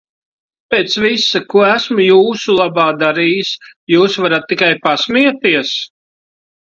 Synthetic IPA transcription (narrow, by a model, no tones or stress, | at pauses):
peːt̪svisakuɔæsmujuːsulˠɑbaːd̪aɾiːjisjuːsvaɾat̪̚ːikajpasmiɛt̪iɛs